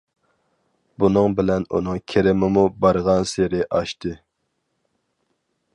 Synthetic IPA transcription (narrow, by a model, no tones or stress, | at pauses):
bunɨŋbɪlɛnṵnɨŋkʲʰeɾɪmɪmubɑɾʁɑnseɾɪʔɑʃt̪ʰɨ